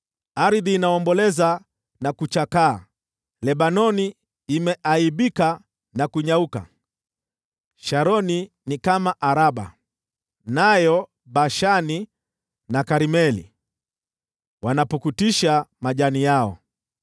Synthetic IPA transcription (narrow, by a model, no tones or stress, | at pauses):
aɾiðiːnaɔmbɔlɛza | nakut͡ʃakaː | lɛɓanɔniː | mɛʔaiɓika | nakuɲauka̰ | ʃaɾɔni | nikamaʔaɾaɓa̰ | najɔ | ɓaʃani | nakaɾimɛlḭ | wanapukutiʃamaʄanijaɔ̰